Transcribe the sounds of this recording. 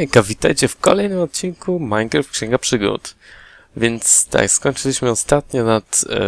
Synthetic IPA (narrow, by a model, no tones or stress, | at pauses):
kavʲit̪a̰jt͡ɕɛfkɔlɛjnɘmɔt̪̚t͡ɕinkumajɡɾɛfkɕɛŋɡapʂɘɡṵt̪ | vʲjɛnt̪st̪a̰kskɔɲʲt͡ʂɘlʲiɕmɘɔst̪at̪ɲɔnat̪